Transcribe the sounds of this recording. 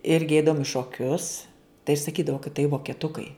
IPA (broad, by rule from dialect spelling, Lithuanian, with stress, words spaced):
ˈɪrʲɡʲɪ ˈɛɪdɐʋʊm ɪ ʃoːˈkʲʊs tɐɪ sɐˈkʲiːdɐʋoː kɐt tɐɪ ʋoːkʲɛˈtʊkɐɪ